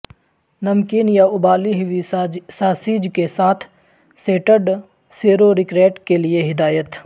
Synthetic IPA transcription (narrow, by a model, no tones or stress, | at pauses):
nɐmkiːnjaʊbaːliɦɪʋisaːsiːd͡ʒkesaːt̪ʰ | seːʈəɖ | seːɾoɾɪkɾeːʈkelieɦɪd̪aːjət̪